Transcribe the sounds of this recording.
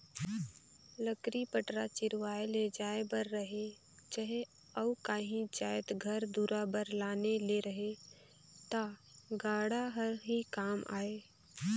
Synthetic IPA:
ləkɾipəʈɾat͡ʃɪɾwaːeled͡ʒaːebəɾːəɦe | d͡ʒəɦe | əʊkaːɦĩd͡ʒaːjət̪ɡʱɐɾd̪uːɾabəɾlaːneleɾəɦe | t̪aɡaːɽaɦəɾɦikaːmʔa̰ːeː

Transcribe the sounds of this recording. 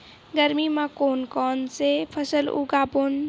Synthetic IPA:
ɡəɾmimãkoːnkɔnsepʰəsəlṵɡapon

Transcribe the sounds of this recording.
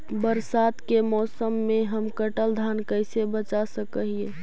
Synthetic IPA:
bəɾsaːt̪kemɔːsəmːeɦəmkəʈəld̪ʱankəɪsebət͡ʃasəkəɦie

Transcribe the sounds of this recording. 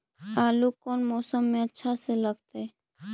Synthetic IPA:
aːlukoːnmoːsəmːẽətːʃʰaseləɡt̪eɛ

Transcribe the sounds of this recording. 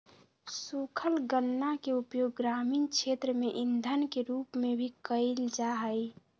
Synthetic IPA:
sukʰəlɡənːakeupjoːɡːɾamiːnkt͡ʃʰet̪ɾəmeʔɪnd̪ʱənkeɾuːpmebʱikəɪld͡ʒaɦəj

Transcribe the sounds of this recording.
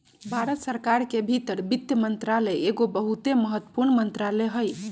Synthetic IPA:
bʱaɾət̪səɾkaɾkebʱit̪əɾbit̪jəmənt̪ɾaleeɡobəɦut̪eməɦət̪ːə̥puɾnmənt̪ɾaleɦəj

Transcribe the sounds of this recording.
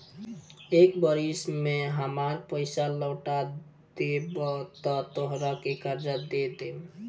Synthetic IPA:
ekbəɾismeɦəmaɾpəɪsaləːʈa | d̪ebɔt̪ɔt̪oɦɾakekəɾd͡ʒad̪ed̪em

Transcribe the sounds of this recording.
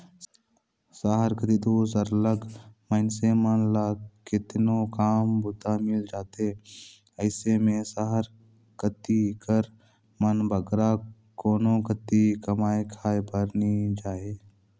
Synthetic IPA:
saːɦəɾkət̪id̪oːsəɾələɡməɪnsemənlaːkɪt̪nokaːmbʊt̪amɪld͡ʒaːt̪eː | əɪsemẽsaɦəɾ | kət̪ikəɾ | mənbʱəɡɾa | koːnõkət̪ikəmaːekʰaːebəɾnid͡ʒaːeː

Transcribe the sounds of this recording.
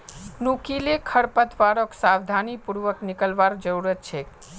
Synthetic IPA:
nukilekʰəɽpət̪ʰʋaɾoksaʋd̪ʱanipuɾʋəknɪkəlʋaɾd͡ʒəɾuɾət̪̚t͡ʃʰe

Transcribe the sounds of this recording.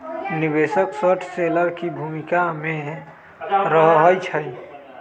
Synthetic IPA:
nibesəksəʈʰseləɾkibʱumikamẽ | ɾəɦɦəjt͡ʃʰəj

